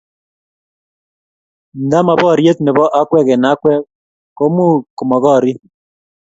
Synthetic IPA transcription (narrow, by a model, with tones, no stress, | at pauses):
nda˦ma˨bɔ˦˨ɾje˦t̪nɪ˨bɔ˦ʔa˦kwɛ˦kɛ˨na˦kwɛ˦ | ko˦mu˦ko˨mɔ˨ɣɔ˦˨ɾi˦